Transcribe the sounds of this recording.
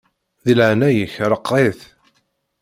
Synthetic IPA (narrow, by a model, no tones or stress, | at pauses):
ðilʕnæjəçɾˤəqːeθ